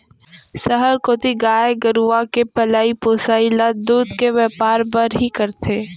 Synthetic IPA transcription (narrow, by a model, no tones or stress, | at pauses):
səɦəɾkoːt̪iɡaːeɡəɾuakepɐlaːipoːsaːilad̪uːd̪keʋjɛːpaːɾpɐɾɦikɐɾt̪ʰeː